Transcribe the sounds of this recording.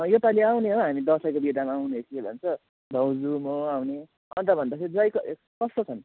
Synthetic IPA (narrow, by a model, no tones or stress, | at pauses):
ʌjot̪aleawneɦoɦamid̪ʌsʌjkobid̪amaːwneɦekʰibʱʌ̰nt͡sʰʌ | d̪ʱʌwd͡zumoawne | ʌnt̪ʌbʱʌnd̪asʰed͡zʌjkʌ | kʌst̪ot͡sʰʌn